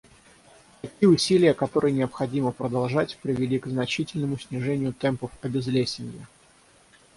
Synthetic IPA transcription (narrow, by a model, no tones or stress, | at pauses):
t̪ɐkʲijəʊsʲilʲɪjəkɐt̪o̞ɾʔɨjənʲɪɐpxɐdʲiməpɾəd̪ɐlˠʐatʲpɾʲɪvʲɪlʲikznɐt͡ɕitʲɪlʲnəmʊsʲnʲɪʐɛnʲɪjʊt̪ɛmpəfɐbʲɪzlʲesʲɪnʲjə̰